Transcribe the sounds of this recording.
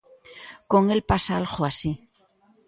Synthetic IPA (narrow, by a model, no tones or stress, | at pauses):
ko̞ŋe̞lpasaalxoasi